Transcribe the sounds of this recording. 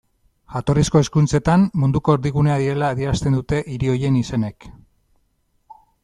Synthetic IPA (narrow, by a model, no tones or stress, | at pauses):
ʝat̪o̞risko̞e̞skunt͡se̞t̪ammund̪uko̞eɾðiɣune̞aðiɾe̞laːðieɾast̪e̞nd̪ut̪e̞ʔiɾio̞jenise̞ne̞k